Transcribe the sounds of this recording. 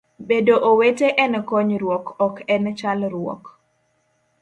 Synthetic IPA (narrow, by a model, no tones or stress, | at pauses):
bedoʔoweteʔɛnɛkɔɲɾwɔkɔkɛnt͡ʃalɾwɔ̰k